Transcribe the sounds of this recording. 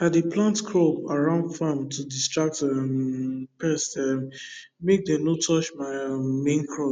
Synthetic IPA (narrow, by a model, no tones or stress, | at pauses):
adeplãntkʰɹɔpaɹãʊ̃ndfãmtʰudistɹak̚tampɛstɛ | mek̚dɛ̃mnotʰɔt͡ʃmaɪmẽnkʰɹɔ